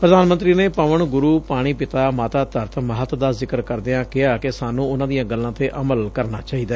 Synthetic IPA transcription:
pɾəd̪aːnmə̃nt̪ɾiːneːpəʋəɳɡʊɾuːpaːɽ̃iːpɪt̪aːmaːt̪aːt̪əɾt̪məɦət̪d̪aːzɪkəɾkəɾd̪eãːkɪaːkɪsaːnũːʊnãːd̪ijãːɡəlːãːt̪eːʔəməlkəɾnaːt͡ʃaːɦiːd̪aɛ

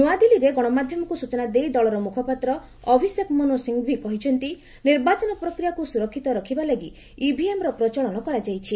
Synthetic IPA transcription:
nuad̪iliɾeɡɔɽ̃ɔmad̪ʱjɔmɔkusut͡ʃɔnad̪ejd̪ɔɭɔɾɔmukʰɔpat̪ɾɔ | ɔbʱisjekmonosiŋɡbʱikɔɦit͡ʃʰɔnt̪i | niɾbat͡ʃɔnɔpɾɔkɾijakusuɾɔkʰːit̪ɔɾɔkʰibalaɡi | ibʱiemɾɔpɾɔt͡ʃɔɭɔnɔkɔɾad͡ʒajt͡ʃʰi

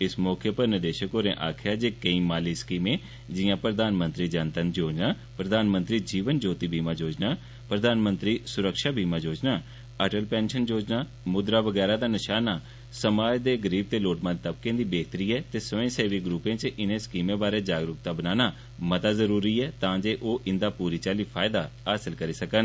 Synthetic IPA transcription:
ɪsmɔːkʰjəpəɾnɪd̪eːʃəkoːɾḛ̃ʔa̰ːkʰjaːd͡ʒeːkəĩːmaːliːskiːmẽː | d͡ʒɪjãːpɾəd̪aːnmə̃nt̪ɾiːd͡ʒənt̪ənd͡ʒoːd͡ʒnaː | pɾəd̪aːnmənt̪ɾiːd͡ʒiːʋənd͡ʒoːt̪iːbʱiːmãːd͡ʒoːd͡ʒnaː | pɾəd̪aːnmə̃nt̪ɾiːsʊɾəkʃaːbiːmãːd͡ʒoːd͡ʒnaː | əʈəlpɛ̃ːnʃənd͡ʒoːd͡ʒnaː | mʊd̪ɾaːʋəɡɛːɾaːd̪aːnɪʃaːnaː | səmaːd͡ʒd̪eːɡəɾiːb̚t̪eːloːʈmãːd͡ʒt̪əb̚kẽːd̪iːbeːɡt̪əɾiːɛːt̪eːsəʋẽːseːʋiːɡɾuːpẽːt͡ʃʔɪnẽːskiːmẽːbaːɾeːd͡ʒaːɡɾʊk̚t̪aːbənaːnaː | mət̪aːzəɾuːɾiːɛːt̪ãːd͡ʒeːʔoːʔɪnd̪aːpuːɾiːt͡ʃaːliːpʰaːɪd̪aː | aːsəlkəɾiːsəkən

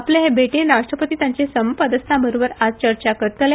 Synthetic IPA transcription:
apleɦebʱeʈenɾaʂʈɾəpət̪iːt̪jaɲt͡ɕesəmpəd̪əst̪ʰãbəɾobəɾad͡zt͡ɕəɾt͡ɕakəɾt̪le

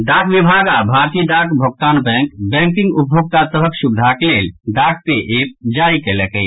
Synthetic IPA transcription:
ɖakʋibʱaɡabʱaɾt̪iɖakbʱok̚t̪anbɛ̃ŋkbɛ̃ŋkiŋɡupbʱjoɡ̚t̪asəbʱəksubd̪ʱaklelɖak̚peʔep̚d͡ʒaikelɛkɛj

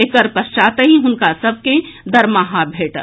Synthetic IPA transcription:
ekəɾpɐst͡ʃaːt̪əɦiɦʊnkasɐb̚ʱked̪ɐɾmaɦabʱeːʈ

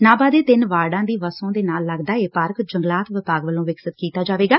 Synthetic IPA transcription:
naːbaːd̪eːt̪ɪnʋaːɖãːd̪iːʋəsõːd̪eːnaːlːəɡd̪aːeːpaːɾkd͡ʒəŋɡlaːt̪ʋɪpaːɡʋəlõːʋɪksət̪kiːt̪aːd͡ʒaːʋeːɡaː

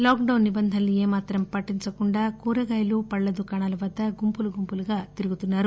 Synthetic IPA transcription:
loːk̚ɖɐwnːibɐnd̪ʱɐnlieːmaːt̪ɾɐmpɐʈːiɲt͡ʃɐkuɳɖaːkuːɾɐɡaːjlupɐɭːɐd̪ukɐɳaːlɐʋɐd̪ːɐɡumpuluɡumpuluɡaːt̪iɾuɡut̪unːaːɾu

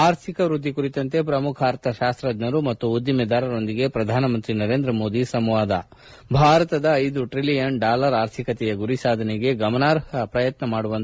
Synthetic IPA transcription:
aːɾt̪ʰikɐʋɾud̪ʱːikuɾit̪ɐnt̪e̞pɾɐmukʰaːɾt̪ɐʃaːst̪ɾɐd̪nɐɾumɐt̪ːuːd̪ːjɐmɛd̪aːɾɐɾo̞nd̪iɡe̞pɾɐd̪ʱaːnɐmɐnt̪ɾinɐɾeːnd̪ɾɐmo̞ːd̪isɐmʋaːd̪ɐ | bʱaːɾɐt̪ɐd̪ɐːjd̪uʈɾilijɐɳɖaːlɐɾaːɾt̪ʰikɐt̪ɛjɐɡuɾisaːd̪ʱɐneɡe̞ɡɐmɐnaːɾɦɐpɾɐjɐt̪nɐmaːɽuʋɐnt̪

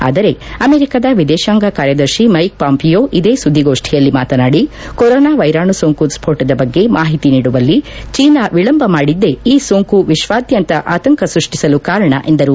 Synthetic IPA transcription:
a̰ːd̪ɐɾe̞ɐmeːɾikad̪ɐʋid̪ɛːʃaːŋɡakaːɾjɐd̪ɐɾʃimɐjk̚paːmpijoːʔid̪e̞ːsud̪ʱːiɡo̞ːʂʈʰijɐlːimaːt̪ɐnaːɽi | koɾoːnaːʋɐjɾaːɳusoːŋkuspʰoːʈɐd̪ɐbɐɡːe̞mʔaːɦit̪iniːɽuʋɐlːit͡ʃiːnaʋiɭɐmbʱɐmaːɽid̪ːe̞iːsoːŋkuʋiʃʋaːd̪jɐnt̪ɐʔaːt̪ɐŋkɐsɾuʂʈisɐlukaːɾɐɳɐ̰ʔe̞nd̪ɐɾu

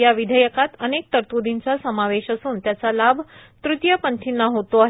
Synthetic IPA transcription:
jaʋid̪ʱəjəkat̪ənek̚t̪əɾt̪ud̪iɲt͡sasəmaʋeɕəsuːnt̪jat͡salabʱt̪ɾut̪jəpəɳʈ̪ʰinːaɦot̪oaɦ

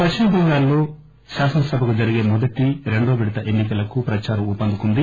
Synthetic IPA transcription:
pɐt͡ʃːinɐd̪iŋɡaːlːoː | ʃaːsɐnɐsɐbʱɐkud͡ʒɐɾiɡe̞ːmɔd̪ɐʈiɾe̞ɳɖoːbiɽɐt̪ɐʔenːikɐlɐkupɾɐt͡ʃaːɾɐmut̪pːɐnd̪ukund̪i

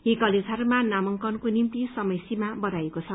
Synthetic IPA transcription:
ɦikʌled͡zʱɦʌɾumanamʌŋkʌnkonimt̪isʌmʌjsimabʌɾajekot͡sʰʌ

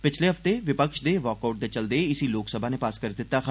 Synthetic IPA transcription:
pɪt͡ʃʰleɦɐft̪eʋɪpəkʃd̪eʋɔːkaʊʈ̚d̪et͡ʃɐld̪eɪsiloːksəbʱanepaːskəɾd̪ɪt̪ːax

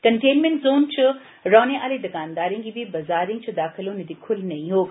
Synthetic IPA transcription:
kɐɳʈeːnmẽɳʈzoːnt͡ʃʊ | ɾɔːneʔaːled̪ɐɡaːnd̪aːɾĩŋɡibʱibɐzaːɾĩt͡ʃɐd̪aːxʰɪloned̪ikʰʊlnɐĩɦoː

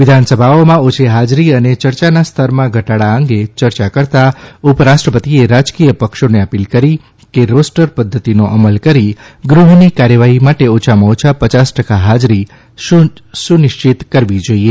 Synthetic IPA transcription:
ʋɪd̪ʱansəbʱaomãot͡ʃʰeɦad͡ʒɾiənet͡ʃəɾt͡ʃanast̪ʰəɾmãɡʱəʈaɽaə̃ŋɡet͡ʃəɾt͡ʃakəɾt̪aupəɾaʃʈɾəpət̪ieɾad͡ʒkijəpəkʃoneəpilkəɾi | keɾosʈəɾpəd̪ʱːət̪inoʔəməlkəɾiɡɾuɦnikaɾjəʋaɦimaʈeot͡ʃʰamaot͡ʃʰapət͡ʃasʈəkaɦad͡ʒɾi | sunɪʃt͡ʃit̪kəɾʋid͡ʒoie

